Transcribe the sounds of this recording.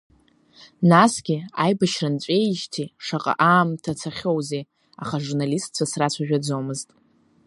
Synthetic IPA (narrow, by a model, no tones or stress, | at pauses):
nasɡʲɪajbaʃrant͡ɕʷʼejʒtʰiʂaqʼa̰ʔaːmtʰat͡sʰaχʲowze | aχaʐurnalistʼt͡ɕʷʰasrat͡ɕʷʰaʒᶣad͡zo̞mɨztʼ